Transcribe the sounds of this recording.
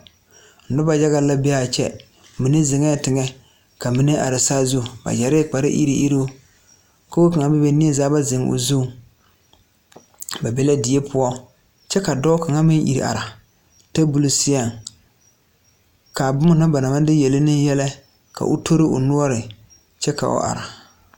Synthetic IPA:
n̩˨˦dʊ˦ba˨d͡ʒa˦ɣa˦la˦bɛ˦a˨t͡ʃɛ̰˦ | mi˨ne˦zɪ˨ŋɛ˦˨tɪ˨ŋɛ˦ | ka˨mi˨nɪ˦ʔa̰˨ɾɪ˨sa˦zu˦˨ba̰˨d͡ʒa˨ɾɪ˦k͡pa˨ɾɪ̰˦ʔḭ˦ɾi˦ʔi˦ɾo˦ | ko˦o˦ka˨ŋa˦bɪ˦be˦ni˦ɛ˦zaː˦ba˦zɪ˨ŋʊ̰˨zu˦˨ | ba˨bɛ˦la˦dɪ˨e˦pʊ˦ɔ˦ | t͡ʃɛ˦ka˨dɔ˦ka˨ŋa˦mɪ˦nʔḭ˨ɾḭ˨a̰˨ɾa˨ | ta˦bu˨lu˦sɪ˦a˦˨ŋ | ka˨bʊ˦mʊ˦na˦ba˨na˨ma˦dɪ˦jɛ˨lɪ˦nɪ˦jɛ˦la˦ | ka̰˨ʔʊ̰˦tʰo˦ɾɪ˦ʔʊ̰˨nʊ˦ɔ˦ɾɪ˨ | t͡ʃɛ˦ka̰˨ʔʊ̰˦ʔa̰˨ɾa˨

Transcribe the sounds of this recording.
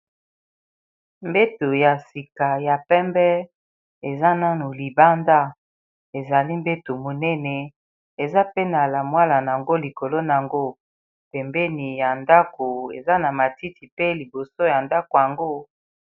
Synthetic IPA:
mbe˦to˨ja˨si˨ka˨ja˨pɛ˦mbɛ˦ | e˨za˦na˦no˨li˨ba˦nda˦ | e˨za˨li˦mbe˦to˨mo˨nɛ˦nɛ˨ | e˨za˦pe˦na˨la˨mwa˦la˨n˨a˨ŋɡo˦li˨ko˨lo˦na˨a˨ŋɡo˦ | pɛ˨mbɛ˦ni˨ja˨nda˦ko˨ḛ˨za˦na˨ma˨ti˦ti˨pe˦li˨bo˨so˦ja˨nda˦ko˨ja˨ŋɡo˦

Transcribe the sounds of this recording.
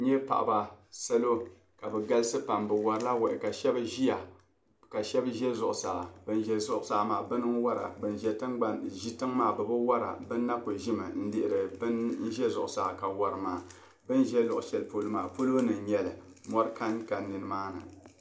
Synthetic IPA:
ɲɛ˦pa̰˨ʔa̰˨ba˨sa˦lo˦ | ka˨bɨ˨ɡa˦lɨ˦sɨ˦pa˨mbɨ˨wa˨ɾɨ˦la˦wɛ˨ʔɪ̰˨ka˨ʃɛ˦bʒi˦ja˨ | ka˨ʃɛ˦bʒɛ˦zʊ˨ʔʊ˨sa˨bɨ˦n˦ʒɛ˨zʊ˦ʔsa˨˦maː˨bɨ˦nɨ˦ŋ˦wa˦ɾa̰˨bɨ˨nʒɛ˨tɨ˦ŋɡ͡ba˨nʒi˦tɨ˦ŋmaː˦˨bɨ˨bɨ˦wa˦ɾa̰˨bɨ˦nː˦a˦kʊ˨ʒi˦mɨ˨n̩˦dɪ˨ʔɪ˨ɾɨ˨bɨ˦nn̩˦ʒɛ˦zʊ˨ʔʊ˨saː˨ka˨wɔ˦ɾɨ˨maː˨ | bɨ˦n˦ʒɛ˦lʊ˨ʔʊ˨ʃɛ˨lpo˦lɨ˦ma̰ː˨po˦lo˦nɨ˨ŋ˨ɲɛ˦lɨ˨mɔ˦ɾɨ˦ka˦nka˨nːɨ˨nɨ˨maː˦nɨ̰˨

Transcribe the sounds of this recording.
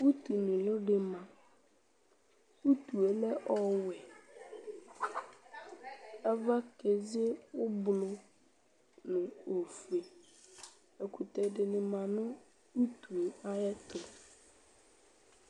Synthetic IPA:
u˦t̪u˨nɪ̃˨lʊ˦dɪ˨mã˨ | u˦tu˨e˨lɛ˦ʔɔ˦wɛ˨ | ɛ˦va˦ke˨ze˦ʊ˦bʊ˨lʊ˨ | nʊ̃˨o˨fu˨e˨ | e˨kʰu˨t̪ɛ˨dɪ˨nɪ̃˨mã˨nʊ̃˦ | u˦tu˨e˨a˦ɛ˦t̪ʊ˨

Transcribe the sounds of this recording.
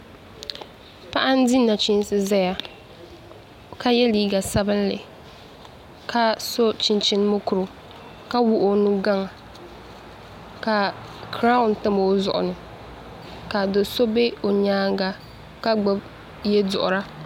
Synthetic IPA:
pa˦ʔa˦n˦di˦na˨t͡ʃi˦n˦sɨ˦za˦ja˦ | ka˦jɛ˦liː˦ɡa˨sa˦bɨ˦n˦lɨ̰˨ | kʰa˦so˦t͡ʃi˨nt͡ʃɪ˦n˦mo˦kʊ˨ɾʊ˨ | ka˦wʊ˦ʔo˦nu˦ɡa˦ŋ˨ | ka˨kɾa˦ʊ˨n˨tɨ˦m˨o˦zʊ˨ʔʊ̰˨nɨ˨ | ka˨do˨so˦be˦o˨ɲaː˦ŋ˦ɡa˦ | ka˦ɡ͡bʊ˦b | jɛ˦dʊ̰˨ʔʊ̰˨ɾa˦

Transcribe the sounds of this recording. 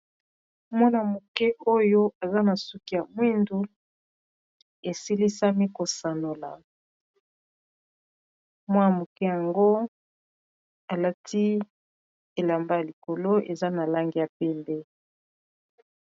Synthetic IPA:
mwɔ˦na˨mo˨kɛ˦ʔo˦jo˦a˨za˦na˨su˦ki˦ja˨mwi˦ndu˦ | e˨si˦li˦sa˦mi˦ko˨sa˨no˨la̰˨ | mwa˦ja˨mo˨kɛ˦ja˨ŋɡo˦ | a˨la˦tʰi˦ | e˨la˨mba˦ja˨li˨ko˨lo˦ʔḛ˨za˦na˨la˦ŋɡi˦ja˨pɛ˦mbɛ˦

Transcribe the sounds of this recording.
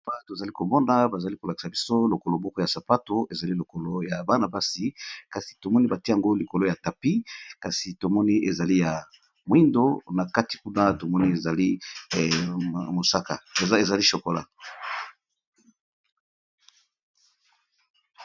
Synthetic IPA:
pa˦to˨za˨li˦ko˨mɔ˦na˨˦ba˨za˨li˦ko˨la˨ki̥˨sa˨bi˦so˦lo˨ko˨lo˨mɔ˦kɔ˦ja˨sa˨pa˦to˦e˨za˨li˦lo˨ko˨lo˦ja˨ba˦na˨ba˦si˦ka˨si̥˨to˨mɔ˦ni˦ba˨ti˦a˨ŋɡo˦li˨ko˨lo˦ja˨ta˨pi˦ka˨si˨to˨mɔ˦ni˦ʔe˨za˨li˦ja˨ | mwi˦ndo˦na˨ka˦ti̥˨ku˦na˦to˨mɔ˦ni˦e˨za˨li˦˨ | mo˨sa˦ka̰˨e˨za˨li˦ʃo˨ko˨la̰˨

